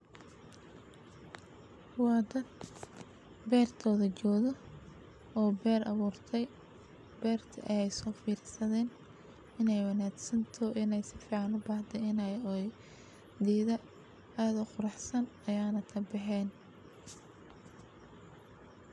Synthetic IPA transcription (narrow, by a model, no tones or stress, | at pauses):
wɑːd̪ɐd̪ | bɛːrt̪ʰɔːðɐt͡ʃɔːðɔ | ɔːbɛːrɑ̰βuːrt̪ʰɛj | bɛːrt̪ʰɐ̰ʔɐjɛjsɔːfiːɾsɐðɛːn | ɪnɛjwɑnaːɡsɐnt̪ʰɔʔɪnɛjsɪfiːʕɑnʊbɑht̪ʰɛɪnɛj | d̪iːðɐ | aːðʊqʊɾɑħsɐnɐjaːnɐkʰɐbɑħɛːn